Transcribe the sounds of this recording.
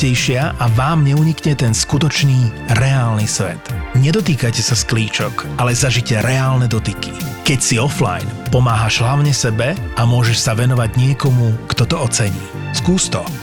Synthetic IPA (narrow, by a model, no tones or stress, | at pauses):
ɛjʃɪaʔaʋaːmɲɛuɲikɲɛt̪ɛnskut̪ɔt͡ʃniːɾɛaːlnisʋɛ̰t̪ɲɛd̪ɔt̪iːkacɛsaskliːt͡ʃɔkalɛzaʒicɛɾɛaːlnɛd̪ɔt̪iki̥kɛcsiɔfla̰jnpɔmaːɦaʒɦlaʊɲɛsɛbɛamʊɔʒɛʃsaʋɛnɔʋaɟɲɪɛkɔmukt̪ɔt̪ɔɔt͡sɛɲḭː | skuːst̪ɔ